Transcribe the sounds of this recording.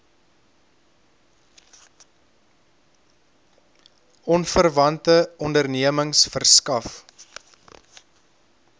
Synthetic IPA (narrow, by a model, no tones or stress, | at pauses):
ɔnfərvɐntəɔndərniəməŋsfərskɐf